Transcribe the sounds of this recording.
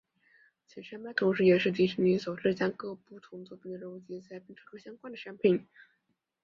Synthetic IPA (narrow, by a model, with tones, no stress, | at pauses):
t͡ɕʰɛ˧˥nʂa˥nmpa˥˩ɪt̪ʰʊ˧˥ŋʂɻ̩˧˥jɛ˨˩ʂɻ̩˥˩t̪i˧˥˩ɕi˧˥ŋni˧˥so˨˩ʊʈ͡ʂ̩˥˧t͡ɕja˥kɤ˥˧pu˥˩t̪ʰʊ˧˥ŋt͡swɔ˥˩pʰi˧˥˩nd̪ə˩ɻə˥˩nu˧˥˩t͡ɕjɛ˧˥t͡sʰa˥ɪpi˥nʈ͡ʂʰɤ˥kɤ˥˩ɕjɑ˥ŋkwa˥nd̪ə˨˩ʂa˥npʰi˨˩˦n